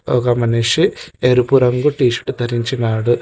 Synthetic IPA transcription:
oɡɐmɐneʂieɾupuɾɐŋɡuʈiːʃɐ̥ʈud̪ʱɐɾiɲt͡ʃinaːɽu

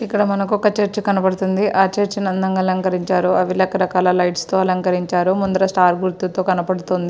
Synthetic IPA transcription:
ikːɐɽɐmɐnɐk̬ɔkːɐt͡ʃeɾt͡ʃikɐnɐpɐɽut̪und̪iʔaːt͡ʃeɾt͡ʃinɐnd̪ɐŋɡɐlɐŋkɐɾiɲt͡ʃaːɾuɐʋilɐkɐɾɐkaːlɐlɐjʈst̪oːɐlɐŋkɐɾiɲt͡ʃaːɾumund̪ɐɾɐsʈaːɾɡuɾt̪ːut̪oːkɐnɐpɐɽut̪ond̪i

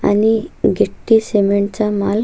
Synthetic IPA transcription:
a̰niɡeʈːisemeɳʈt͡samal

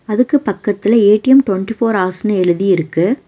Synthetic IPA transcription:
ɐðɯkːɯpɐkːɐt̪ːɪlɐeːʈːɪjɐmʈwɐɳʈifoːɾaːɾsnɯɛɻɯðiɪɾɯkːɯ

